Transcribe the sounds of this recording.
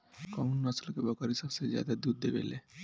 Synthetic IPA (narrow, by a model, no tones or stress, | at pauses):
kəunːəsəlkebəkəɾisəbsed͡ʒja̰d̪ad̪ud̪̚d̪eɡḛlɛ